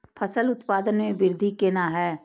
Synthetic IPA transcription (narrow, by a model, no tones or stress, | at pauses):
pʰəsəlʊt̪paːd̪ənmẽbɪɾd̪ʱikeːnaɦɛː